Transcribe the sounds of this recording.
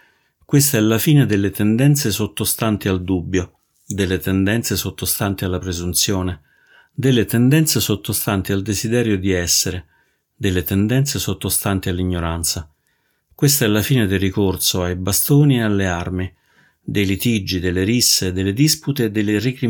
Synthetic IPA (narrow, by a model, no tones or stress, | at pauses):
kwest̪aɛlːafiːned̪elːet̪ɛnd̪ɛnt̪sesot̪ːost̪ant̪iald̪ubːjo | d̪elːet̪ɛnd̪ɛnt̪sesot̪ːost̪ant̪ialːapɾezunt̪sjoːne | d̪elːet̪ɛnd̪ɛnt̪sesot̪ːost̪ant̪iald̪ezid̪ɛːɾjod̪iɛsːeɾe | d̪elːet̪ɛnd̪ɛnt̪sesot̪ːost̪ant̪ialːiɲːoɾant̪sa | kwest̪aɛlːafiːned̪erikorsoajbast̪oːniealːearmi | d̪ejlit̪id͡ʒːid̪elːeɾisːed̪elːed̪isput̪eːd̪ːelːerikɾi